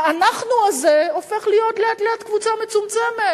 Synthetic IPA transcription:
anaχnuazeo̞fe̞χlijo̞tleatleatkvut͡same̞t͡sumt͡seme

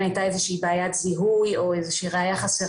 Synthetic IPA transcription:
ajtaezeʃiːbaːjat̪ziɦujo̞ezeʃiːʁeajaχase

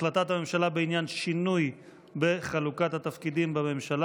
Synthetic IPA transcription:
lat̪at̪hame̞mʃalabeinjanʃinuj | be̞χalukat̪hat̪afkid̪imbame̞mʃala

